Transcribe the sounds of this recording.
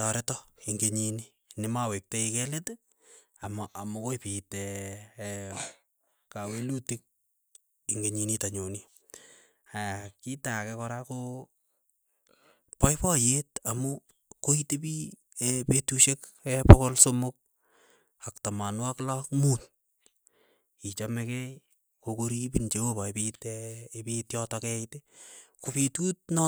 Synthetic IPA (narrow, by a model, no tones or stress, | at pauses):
tɔɾetɔiŋɡeɲini | nɪmawek̚teikɛlete | amɔʔamʊkojpitɛ | kawelutik̚ | iŋɡeɲinitaɲoni | ajakitakɛkɔɾako | pɔjpɔjetamu | koitepi | epetuʃekɛpɔkolsomʊk̚ | aktamanwaklakmun | it͡ʃamɛkɛj | kokoɾipint͡ʃewopajpitɛepitjɔtɔkɛitekopetut̚nɔ